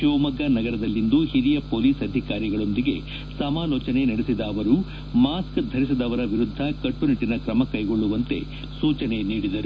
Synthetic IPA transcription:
ʃoːmɐɡɐnɐɡɐɾɐd̪ɐlːind̪uhiɾijɐpoːliːsɐd̪ʱikaːɾiɡɐɭo̞nd̪iɡe̞̰ | sɐmaːlɔːt͡ʃɐne̞nɐɽesid̪ɐːʋɐɾu | maːskd̪ʱɐɾisid̪ɐʋɐɾɐʋiɾud̪ʱːɐkɐʈːuniʈːinɐkɾɐmɐkɐjɡo̞ɭːuʋɐnt̪e̞̰ | suːt͡ʃɐne̞niːɽid̪ɐɾu

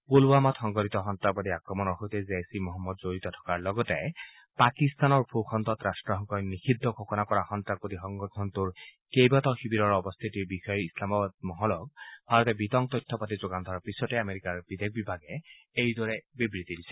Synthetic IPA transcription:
koluamɔt̪xɔŋɡɔtit̪ɔxɔnt̪ɹapɔtiakɹɔmɔnɔɦojtɛzesimoɦɔmːɔdzoɹit̪ɔtʰɔ̥kaɹlɔɡɔtɛ | pakist̪anɔɹpʰuxʰɔnt̪ɔtɹastɹɔɦɔkɔjnixʰidʱːɔkʰɔkɔnakɔɹaxɔntɹak̚potixɔŋɡɔtʰɔnt̪uɹ | kejbatɔxibiɾɔɹɔbɔst̪ʰitiɹbixɔjɛɹislamɔbad̚mɔɦɔlɔɡ̚bʱaɹɔt̪ɛbitɔŋk̚t̪ɔjtʰːɔpatizoɡand̪ʱɔɔpisɔtɛameɹikaɹb̥id̪ʱek̚ʰbibʱaɡɛ | ejdɔɹɛbibɹit̪idisɛ̥

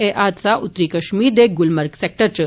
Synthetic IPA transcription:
eʔat̪t͡saʔut̪ɾikəɕmiːɾd̪eɡulməɾksɛk̚ʈəɾt͡ɕə

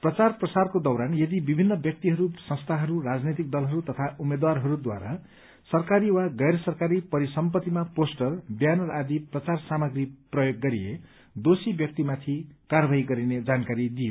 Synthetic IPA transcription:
prʌt͡sarprʌsarkod̪ʌwɾanjʌd̪ibibʱinːʌbjʌk̚t̪iɦʌɾusʌ̃st̪ʰaɦʌɾuɾad͡znet̪ik̚d̪ʌlɦʌɾut̪ʌt̪ʰaʔumed̪waɾɦʌɾud̪wa̰ɾa | sʌrkaɾiwaɡʌjɾʌsʌrkaɾipʌɾisʌmpʌt̪ːimaposʈʌrbjanʌrad̪iprʌt͡sarsamʌɡɾiprʌjoɡːʌɾiḛ | d̪osibjʌk̚t̪imat̪ʰikaɾʌbʱaiɡʌɾined͡zankaɾid̪ijo

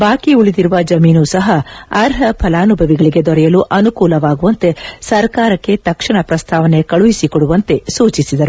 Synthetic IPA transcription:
baːkiuɭid̪iɾuʋɐd͡ʒɐmiːnusɐɦɐɐɾɦɐpʰɐlaːnubʱɐʋiɡɐɭiɡe̞d̪ɔɾɛjɐluʔɐnukuːlɐʋaːɡuʋɐnt̪e̞sɐɾkaːɾɐkːe̞t̪ɐkʂɐɳɐpɾɐst̪ʰaːʋɐne̞kɐɭuʋisikɔɽuʋɐnt̪e̞suːt͡ʃisid̪ɐɾu

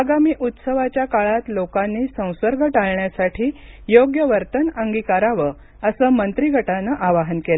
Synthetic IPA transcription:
aɡamiːʔut̪səʋat͡ɕjakaɭat̪lokanːiːsə̃w̃səɾɡʱəʈaɭɳjasaʈʰiː | joɡjəʋəɾt̪ənəŋɡikaɾaʋə | əsəːmənt̪ɾiɡʱəʈanəʔaʋaɦənkel

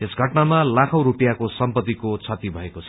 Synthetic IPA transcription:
esɡʱʌʈnamalakʰʌ̃w̃ɾupijakosʌmpʌt̪ːikot͡sʰʌt̪ibʱʌekot͡sʰʌ

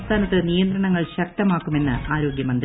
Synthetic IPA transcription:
st̪ʰaːnɐt̪ːɨnijɐnd̪ɾɐɳɐŋːɐɭɕɐk̚t̪ɐmaːkːume̞nːɨaːɾo̞ːɡjɐmɐnd̪r

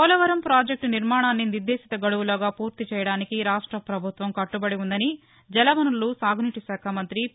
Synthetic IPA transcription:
ɐlɐʋɐɾɐmpɾaːd͡ʒek̚ʈniɾmaːɳaːnːiniɾd̪eːsit̪ɐɡɐɽuwulɐːɡaːpuːɾt̪it͡ʃɛːjɐɽaːnikiɾaːʂʈɾɐpɾɐbʱut̪ʋɐmkɐʈːubɐɽiund̪ɐni | d͡ʒɛlɐʋɐnulːusaːɡʱuniʈiʃaːkʰaːmɐnt̪ɾi

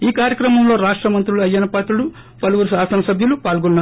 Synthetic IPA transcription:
iːkaːɾjɐkɾɐmɐmlo̞ːɾaːʂʈɾɐmɐnt̪ɾuluɐjːɐnɐpɐt̪ulu | pɐluʋuɾusaːsɐnɐsɐbʱjulupaːlɡɔnːaː

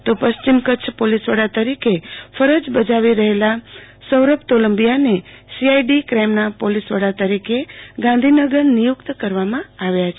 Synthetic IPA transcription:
t̪opəst͡ʃimkət͡ʃʰpolisʋəɽat̪əɾikefʰəɾəd͡ʒbəd͡ʒaʋiɾəɦela | səwɾəpt̪oləmbijanesiajɖikɾajmnapolisʋəɽat̪əɾikeɡãn̆d̪ʱinəɡəɾnijʊkt̪kəɾʋamãaʋjat͡ʃʰe

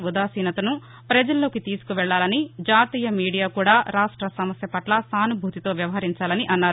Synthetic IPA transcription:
ud̪aːsiːnɐt̪ɐnu | pɾɐd͡ʒɐlːo̞ːkit̪iːsu̥kuʋɛɭːaːlɐnid͡ʒaːt̪iːjɐmiːɽijaːkuːɽaːɾaːʂʈɾɐsɐmɐsjɐpɐʈlɐsaːnubʱuːt̪it̪o̞ːʋjɐʋɐɦɐɾiɲt͡ʃaːlɐniʔɐnːaːɾ

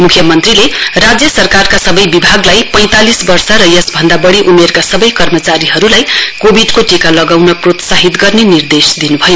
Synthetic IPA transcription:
mukʰjʌmʌnt̪rilerad͡zjʌsʌrkarkasʌbʌjbibʱaɡlajpʌj̃t̪alisbʌrsʌɾʌjʌsbʱʌnd̪abʌɽiʔumerkasʌbʌjkʌrmʌt͡saɾiɦʌɾulajkobʱiɖkoʈikalʌɡawnʌprot̪saɦit̪ɡʌrnenird̪esd̪inubʱʌjo

